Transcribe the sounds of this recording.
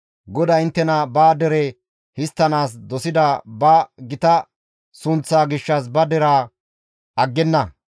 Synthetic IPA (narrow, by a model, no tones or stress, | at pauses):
ɡɔd̪ɐɪnt̪ːɛnɐbaːd̪ɛɾɛ | hɪst̪ːɐnaːs̬d̪ɔsɪd̪ɐbɐɡɪt̪ɐ | sʊnt͡sːaːɡɪʃːɐs̬bɐd̪ɛɾaː | ɐɡːɛnːɐ